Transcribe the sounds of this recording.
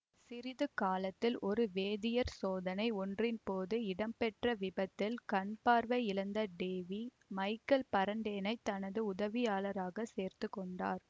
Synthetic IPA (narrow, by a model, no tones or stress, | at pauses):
sɪɾɪðɯkaːlɐt̪ːɪlʔɔɾɯʋeːðɪjɐɾsoːðɐnɐɪɔndrɪnpoːðɯɪɽɐmpɛʈrɐʋɪbɐt̪ːɪlkɐɳpaːɾʋɐɪɪlɐnd̪ɐɖeːʋi | mɐɪkɐlpɐɾɐɳɖeːnɐɪt̪ːɐnɐðɯʊðɐʋɪjaːlɐɾaːɣɐseːɾt̪ɯkːɔɳɖa̰ːɾ